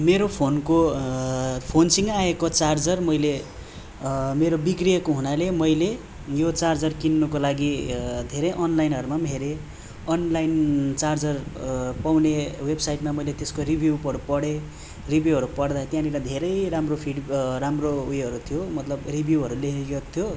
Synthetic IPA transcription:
meɾopʰonko | pʰonsiŋɡaekot͡sard͡zʌrmʌjle | meɾobikrijʌkoɦunalemʌjle | jot͡sard͡zʌrkinːukolaɡid̪ʱeɾʌjʔʌnlajnɦʌɾumamʱeɾe | ʌnlajnt͡sard͡zʌrpawnewebsajʈmamʌjlet̪eskoribʱuwpʌɽupʌɽe | ribʱjuɦʌɾupʌɽd̪at̪jãniɾad̪ʱeɾʌjɾamropʰiɖɾamroujɦʌɾut̪ʰijomʌt̪lʌbribʱjuwɦʌɾulekt̪ʰjo

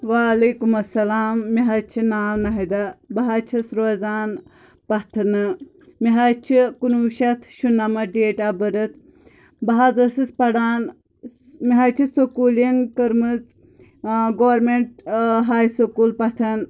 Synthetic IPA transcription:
ʋaːleːkumɐsːɐlaːmːiɦɐt͡ʃʰinaːmnɐɦid̪ɐbɐɦat͡ʃʰisɾoːzaːn | pɐt̪ʰɐnɨ | miɦɐt͡ʃʰikunuːʃɐt̪ʰʃunːɐmɐɖeːʈabɐɾɨt̪ʰ | bɐɦazɐsɨspɐɽaːn | miɦɐt͡ʃʰisokuːlinkəɾmɨt͡s | ɡoːɾmeɳʈɦaːjsokuːlpɐt̪ʰɐn

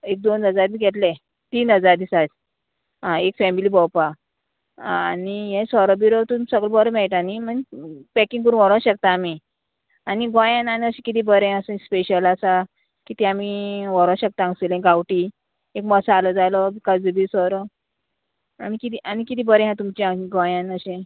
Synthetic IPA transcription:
ek̚d̪onəd͡zaɾmiɡʱeʈlɛ̃ | t̪iːnɦəd͡zaɾd̪isad͡z | ɦãekfɛmiliːbɔwpa | aniɦɛ̃sɔɾɔbiɾɔt̪umsəɡɭɔbəɾmɛɭʈanim̤ənpɛkĩŋɡkəɾũːnʋɔɾə̃ɕək̚t̪aːmi | aniɡɔ̃jãnanəɕĩkit̪̬ibəɾẽasə̃speɕəlasa | kit̪ĩamiʋɔɾə̃ɕək̚t̪aãŋɡselẽɡawʈi | ekməsaːlɔd͡zalɔkad͡zəbisɔɾɔ | anikit̪iʔanikit̪̬ibəɾɛ̃ɦãt̪umt͡ɕiãɡɔ̃jãnəɕẽ

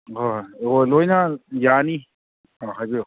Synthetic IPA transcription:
oolojnajani | ɔɦajzɯ

